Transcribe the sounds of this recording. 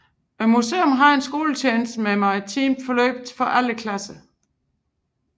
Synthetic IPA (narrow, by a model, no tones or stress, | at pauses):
muse̝̰ːomɦɑ̈e̝nsɡ̥o̝̰ːlət͡ɕʰeːnsd̥əmemɑ̈it͡sʰiːmfɒ̽lø̰ːb̥̚d̥fɒ̽ʔæləkʰlæsə